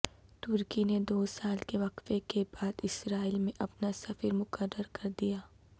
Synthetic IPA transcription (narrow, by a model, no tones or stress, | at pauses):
t̪ʊɾkined̪oːsaːlkeʋɐqfekebaːd̪ɪsɾaːɪlmẽʔɐpnasɐfəɾmʊkəɾːəɾkɐɾd̪ijaː